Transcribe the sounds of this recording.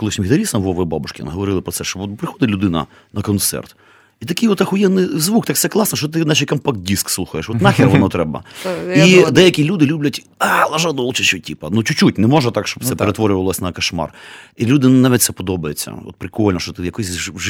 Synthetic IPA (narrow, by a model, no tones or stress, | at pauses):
kɔlˠɪʃʲnʲmʲid̪ɐɾʲisɐnɐʋɔʋɛbɑbʊʃkʲɪnɐɦɔʋɔɾɪlˠɪpɾɔtsɛʃt͡ʃɔbɔt̪pɾɪxɔd̪ɪtʲlʲʊd̪ɪnɐ̰ | nɐkɔnt̪sɛ̰rt̪ | it̪ɐkɪjɔt̪ːaxʊjɛd̪nɪjzʋukt̪akt̪sɛklˠɑsnɐt͡ʃɔt̪̬ɪnaʃijkɐmpakdʲiskslˠuxɐjeʃɔt̪nɑxʲɪɾʋɔnɔt̪ɾɛbɐ̰id̪ɛjɐkʲilʲud̪ɪlʲublʲɐtʲ | alˠɐʒad̪ɔlˠt͡ʃɪʃɔtʲipɐnut͡ʃʊt͡ʃːutʲnɛmɔʒɐt̪ɑkʃt͡ʃɔb̚t̪sɛp̪eɾet̪ʋɔɾʲʊʋɐʋlˠɔsʲnɐkɐʃmɑ̰rilʲud̪ɪnnaʋʲit̪̚ʲsɛpɔd̪ɔbɐjet͡sʲːɐ̰ɔ̰t̪̚pɾɪkɔlʲnɐʃt͡ʃɔt̪ɪjɐkɔsʲ